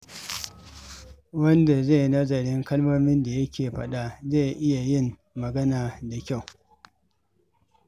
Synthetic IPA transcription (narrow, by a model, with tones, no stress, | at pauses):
wɐ˦nda˨ze˦˨nɐ˦zɐ˨ɽɪ˦ŋkɐ˦lmoː˦mɪ˦nda˨jɐ˦kʲeː˨ɸɐ˦ɗa˦ze˦˨ʔɪ˦ja˨jɪ˦˨mː | ɐ˨ɡɐ˦naː˨da˨kʲa˦˨w